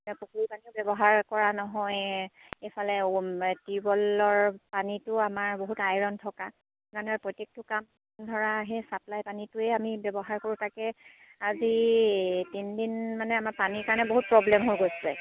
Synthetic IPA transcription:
pukuɹipaniʊbɛbɔɦaɹkɔɹanɔɦɔj | ejpʰalɛtiɹbɔlɔɹpanitʊamaɹboɦutajɹɔntʰɔka | kanɔɹpɔjtek̚tukam | dʱɔɹaɦɛsaplajpanitʊɛamibjɛbɔɦaɹkoɹutʰakɛ | azi | tindinmanɛamaɹpaniɹkaɹnɛboɦut̚pɹɔblɛmɦojɡojslɛ

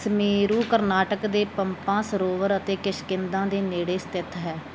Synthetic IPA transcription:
smeːɾuːkəɾnaːʈəkd̪eːpəmpãːsəɾoːʋəɾət̪eːkɪʃkɪnd̪ãːd̪eːneːɽeːsə̥t̪ɪt̪ʰɦɛː

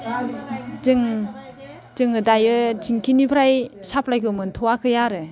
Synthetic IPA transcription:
zɯŋ | zɯŋɯdajɯtiŋkʰinipʰɾajsap̚lajkʰɯmɯntʰɔwakʰɯjaɾɯ

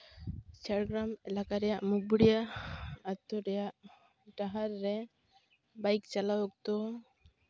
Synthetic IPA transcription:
t͡ʃaɾɡɾamɛlakaɾɛjaʔmuk̚buɽijaat̪ɔɾɛjaʔ | ʈaɦaɾːɛ | bajkt͡ʃalawɔk̚t̪ɔ

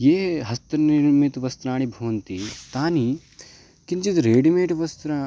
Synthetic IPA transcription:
jeːɦɦɐst̪ɾɐniɾmit̪ʋɐst̪ɾaːɳibʱɐʋɐnt̪it̪aːni | kint͡ʃit̪ɾeːɖimeːʈʋɐst̪ɾa

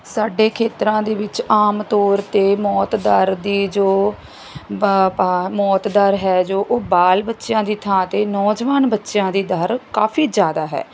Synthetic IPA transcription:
saːɖeːkʰeːt̪ɾãːd̪eːʋɪt͡ʃaːmt̪ɔːɾt̪eːmɔːt̪d̪əɾd̪iːd͡ʒoː | mɔːt̪d̪əɾɦɛːd͡ʒoːʔoːbaːlbətːʃjãːd̪iːt̪ʰãːt̪eːnɔːd͡ʒʋaːnbətːʃjãːd̪iːd̪əɾkaːfʰiːd͡ʒjaːd̪aːɦɛ̰ː

